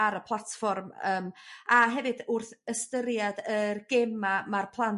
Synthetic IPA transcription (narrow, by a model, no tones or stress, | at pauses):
aɾəpʰlˠatfɔrməːmaɦɛvɨdʊrθəstəɾjadərɡemamarpʰlˠan